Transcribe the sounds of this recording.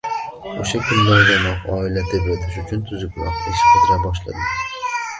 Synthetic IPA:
oʃakʰʊnlaɾɡʲanɒqɒilat̪ebed̪ɪʃʊt͡ʃʰʊnt̪ʰʊzɪkʲwɒ̰qt̪eʃqʰɨd̪ɾabɒʃ̬la̰d̪ɪ

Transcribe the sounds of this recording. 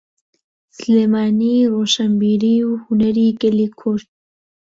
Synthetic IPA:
sleːmaːniroːʃambiːɾiwhʊnɐɾiːɡəlikʰʊɾd̪̚

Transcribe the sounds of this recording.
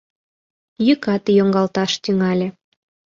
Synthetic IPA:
jykɑt̪ijoŋɡɑlt̪ɑʃt̪yŋɑlʲĕ

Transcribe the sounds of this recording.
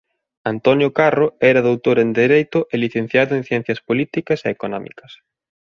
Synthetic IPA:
ant̪onjokaroɛɾɐðowt̪oɾend̪eɾejt̪ʊʔɛliθẽn̟θjaðʊẽn̟θjɛn̟θjɐspolit̪ikɐseːkonɔmḭkɐs

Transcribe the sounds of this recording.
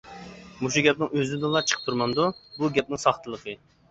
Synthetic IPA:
muʃuɡʲɛp̚nɪŋøzɪnd̪ɨlˠɑt͡ʃʰə̥qʰpt̪ʰuɾmɑnd̪ubuɡʲɛp̚nɪŋsɑχt̪ʰəlˠəqʰə

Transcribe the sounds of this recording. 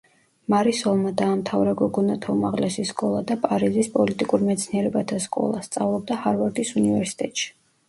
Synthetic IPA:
maɾisɔlˠmad̪aːmt̪ʰavɾaɡɔɡɔnat̪ʰaumaʁlɛsiskʼɔlˠad̪apʼaɾizispʼɔlit̪ʼikʼuɾmɛt̪sʰniɛɾɛbat̪ʰaskʼɔ̰lˠa̰st̪sʼavlˠɔb̚d̪ahaɾvaɾd̪isunivɛɾsi̥t̪ʼɛt̪ʼʃi̥

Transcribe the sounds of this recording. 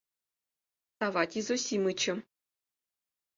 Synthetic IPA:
sɑvɑt̪ʲizosʲimɯt͡ɕɘ̆

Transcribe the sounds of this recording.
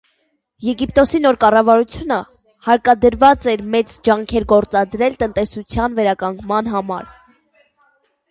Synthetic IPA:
jɛɡipt̪ɔsinɔɾkɑrɑvɑɾut͡sʰjunə | hɑɾkɑd̪əɾvɑt͡sɛɾmɛt͡sd͡ʒɑŋkʰɛɾɡɔɾt͡sɑd̪ɾɛlt̪ən̪t̪ɛsut͡sʰjɑnvɛɾɑkɑŋɡmɑnɦɑmɑ̰ɾ

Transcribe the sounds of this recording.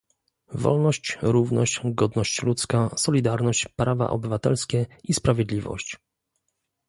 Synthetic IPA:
vɔ̰lnɔɕt͡ɕɾuvnɔ̰ɕt͡ɕɡɔd̪nɔɕt͡ɕlut̪skasɔlʲid̪aɾnɔɕt͡ɕpɾava̰ʔɔ̰bɘvat̪ɛlskʲɛispɾavʲjɛd̪lʲivɔ̰ɕt͡ɕ

